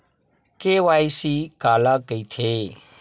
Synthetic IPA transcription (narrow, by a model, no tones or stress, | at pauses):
keːʋaːjsiːkaːlaːkəit̪ʰeː